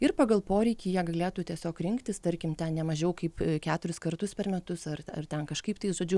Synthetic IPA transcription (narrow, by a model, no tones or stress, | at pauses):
ɪrpɑːɡɐlˠpoːɾʲɛɪkʲiːjiɛɡɐlʲeːt̪uːt̪ʲiɛsʲoːkɾʲɪŋkt̪ʲɪst̪ɐɾʲkʲɪmt̪ʲɛnnʲɛmɐʒʲɛʊkɐɪpkʲæːt̪ʊɾʲɪskɐrt̪ʊspʲɛrmʲɛt̪ʊsɐrɐrt̪ʲɛnkɐʃkɐɪpt̪ɐɪʒoːd͡ʒʲʊ